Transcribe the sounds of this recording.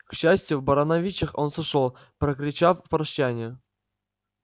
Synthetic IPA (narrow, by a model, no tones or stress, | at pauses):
kɕːæsʲtʲjʊvbɐɾɐnɐvʲit͡ɕːɪxonsɨʂolˠ | pɾəkɾʲɪt͡ɕaffpɾɐɕːænʲɪjə